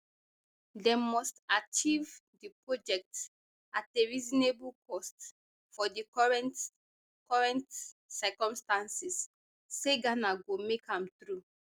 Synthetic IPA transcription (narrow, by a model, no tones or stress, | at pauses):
demɔstat͡ʃivdipɹɔd͡ʒɛk̚t | ateɹiznebulkʰɔst | fɔdiɹɛn | kɔɹɛ̃ntsɛkɔ̃mstãnsis | seɡanaɡomekʰãmtɹu